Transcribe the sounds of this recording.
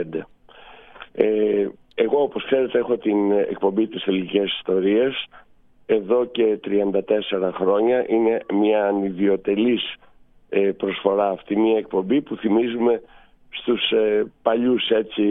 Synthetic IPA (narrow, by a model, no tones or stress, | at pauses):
d̪e | e | eɣo̞opo̞skse̞ɾe̞t̪e̞exo̞t̪inḛk̚po̞mbit̪isθe̞lice̞si̥st̪o̞ɾie̞s | e̞ðo̞ce̞t̪ɾiɐnd̪ɐt̪e̞se̞ɾɐxɾo̞ɲɐʔine̞mɐːniðio̞t̪e̞lis | epɾo̞sfo̞ɾɐːft̪imiɐek̚po̞mbipuθimizume̞ | st̪uspɐʎuse̞t͡ssi